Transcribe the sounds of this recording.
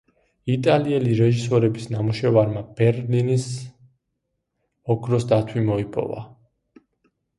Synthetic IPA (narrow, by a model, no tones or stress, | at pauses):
it̪ʼaliɛliɾɛʒisɔɾɛbisnamuʃɛvaɾmab̥ɛɾlinis | ɔɡɾɔsd̪at̪ʰwimɔipʼɔ̰va̰